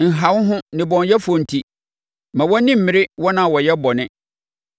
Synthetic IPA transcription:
n̩˨ɦa˨˦wʊ˦ɦʊ̃˦nɪ̃˨bɔ̃˨n˦jɛ˦fu˨ɔ̃˨n̩˨tʰi˦ | mã˨wɔ˦nɪ̃˦m̩˨mɪ̃˨ɾɪ˦wɔ˦nã˨wɔ˨jɛ˦bɔ˨nɪ̃˦

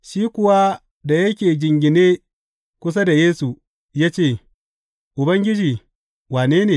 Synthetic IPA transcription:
ʃiː˦kʷʊ˨wa˦ | da˨jɐ˦kʲeː˨d͡ʒɪ˨ŋɡʲɪ˨neː˦ | kʷʊ˦s̬a˦da˨jeː˦su˨ | jaː˦t͡ʃeː˦˨ | ʔʊ˨bɐ˦ŋɡʲɪ˦d͡ʒiː˨ | waː˨neː˦neː˨

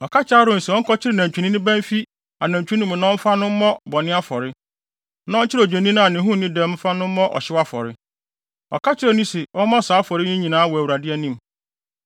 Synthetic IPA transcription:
ɔ˨kʰa˦t͡ɕɪ˦a˦ɾʊ̃˦n̩˨sɛ˨ɔ˦ŋ̩˦kɔ˦t͡ɕʰɪ˦ɾɪ˦˨nã˨ɲ˨t͡ɕᶣu˨˦nĩ˦nʊ̃˦bæ̃˦m˦fi˦ | a˨nã˨ɲt͡ɕᶣu˦ĩ˦m˨nã˦fa˦nʊ̃˦m̩˦mɔ̃˦bɔ˨nɪ̃˦a˦fɔ˨ɾɪ˦ | nã˦ɔ˦t͡ɕʰɪ˦ɾɔ˨d͡ʑᶣã˨nĩ˦ñ˦a˨nɪ̃˨˦ɦũ˦˨nĩ˦dɛ̃˦m̩˦fa˦nʊ̃˦m̩˦mɔ̃˦ʔɔ̰˨ɕɪ˦wa˦fɔ̰˨ɾɪ˦ | ɔ̰˨kʰa˦t͡ɕʰɪ˦ɾɛ˦nĩ˦sɛ˨ɔ˦mã˦˨saː˨˦fɔ˨ɾɪ˦nĩ˦ɲĩ˨nãː˨˦a˦wɔ˨æ˨u˨ɾa˨dɪ˦ɛ˦nĩ˦m˨

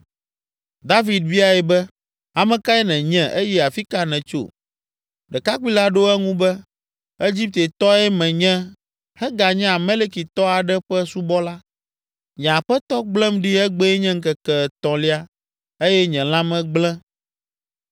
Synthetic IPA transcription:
d̪a˦vi˨d̪̚vi˦a˨jɛ˨bɛ˦ | a˨mɛ̃˨ka˦ɛ˦nɛ̃˨ɲɛ̃˨ʔe˦jɛ˦a˨fi˦ka˦nɛ̃˨t͡ʃo̰˦˨ | ɖɛ˨ka˦kʷi˦la˦ɖo˦ɛ˦ŋũ˦bɛ˦ | e˦d͡ʑi˦p̚t̪e˨t̪ɔ˦ɛ˦mɛ̃˨ɲɛ̃˦ | hɛ˦ɡa˨ɲɛ̃˦a˨mẽ˦le˦ki˨t̪ɔ˦a˨ɖɛ˦ɸɛ˦su˦bɔ˦la˦ | ɲɛ̃˨a˨ɸɛ˦t̪ɔ˦ɡ͡blɛ̃˦mɖi˦ɛ˦ɡ͡bɛ˦ɛ˦ɲɛ̃˦ŋ̩˦kɛ˨kɛ˨t̪ɔ̃˨li˦a˦ | e˦jɛ˦ɲɛ̃˨l̃ã˦mɛ̃˦ɡ͡blɛ̃˦

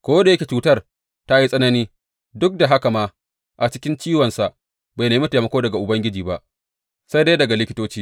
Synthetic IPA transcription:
kʷoː˦da˨jɐ˦kʲe˨t͡ʃuː˦tɐ˦r | ta˦ji˦sʼɐ˦nɐ˦niː˦ | dʊ˦k̚da˨ɦa˦ka˨maː˦ | ʔa˨t͡ʃɪ˦kʲɪ˦nt͡ʃiː˦wɐ˨nsa˨ʔ | ba˨neː˨˦i˦ta˨mɐ˨˦kʷoː˦dɐ˨ɡa˨ʔʊ˨bɐ˦ŋɡʲɪ˦d͡ʒiː˨ba˦ʔ | sa˦jda˦jdɐ˨ɡa˨lɪ˦kʲɪ˦toː˦t͡ʃiː˦

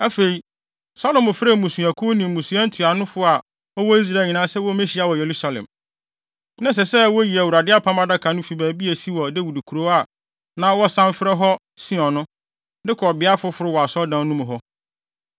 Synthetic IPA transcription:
æ˦fe˨i˨ | sa˦lɔ˨mʊ̃˨fɪ˦ɾa˦˨mũ˨su˨æ˨kʰo˦nĩ˨mũ˨su˨˦a˦n̩˦tʰu˨a˨nʊ̃˦fʊ˦a˨ | ɔ˦wɔ˦i˦s̬ɾa˨˦˨ɲɪ̃˨nã˦sɛ˦wɔ˦mẽ˦ɕi˨˦a˨wɔ˨je˨ɾu˦sa˨lɛ̰̃˨m | nã˦s̬ɛ˨sɛ˦wɔ˦ji˨æ˨wu˨ɾa˨dɪ˦a˦pʰã˦ma˦da˦kʰa˨nʊ̃˦fi˨bæː˨bi˦e˨si˦wɔ˨de˦wu˨du˨kʰu˨ɾo˦a˨ | nã˦wɔ˦sã˦m˦fɪ˦ɾɛ˦ɦɔ˦ | sĩ˦ɔ̃˨nʊ̃˦ | dɪ˦kʰɔ˨bɪ˨a˦fʊ˦fʊ˨ɾʊ˦wɔ˨a˨sɔ˦dã˨˦nũ˦mʊ̃˨ɦɔ˦

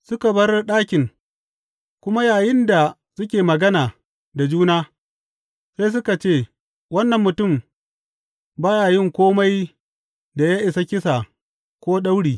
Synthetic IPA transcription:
sʊ˦ka˨bɐ˦rɗaː˦kʲɪ˨ŋ | kʷʊ˦ma˦jaː˨jɪ˦nda˨ | sʊ˦kʲeː˨mɐ˨ɡɐ˦naː˨ | da˨d͡ʒuː˦naː˦ | sa˦js̬ʊ˦ka˨t͡ʃeː˦˨ | wɐ˦nːɐ˨mːʊ˨tʊ˦˨m | baː˦jaː˨jɪ˦˨ŋkʷoː˦ma˦j | da˨ja˦ʔɪ˨sa˦kʲɪ˦sa˨ | kʷoː˦ɗa˦wɽiː˨

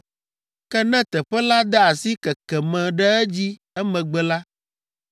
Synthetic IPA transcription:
kɛ˦nɛ̃˦t̪ɛ˨ɸɛ˦la˦d̪ɛ˦a˨si˦kɛ˨kɛ˨mɛ̃˨ɖɛ˦ɛ˦d͡ʑi˦ | ɛ˦mɛ̃˨ɡ͡bɛ˨la˦

